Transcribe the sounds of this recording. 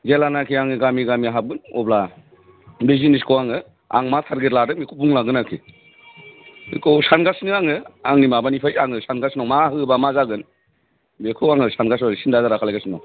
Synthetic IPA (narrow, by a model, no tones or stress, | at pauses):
d͡ʒelanakʰiaŋɯɡamiɡamiaɦab̚ɡɯnɔ̰bla | beziniskʰɔwaŋɯ | a̰ŋmatʰaɾɡetladɯmikʰubuŋlaɡɯnakʰi | ḭkʰɔwsanɡasnɯaŋɯaŋnimabanipʰajaŋɯsanɡasnɔmaɦɯbamazaɡɯn | bekʰɯwaŋɯsanɡas̬ɔɾsindazaɾakʰalajɡasinɔ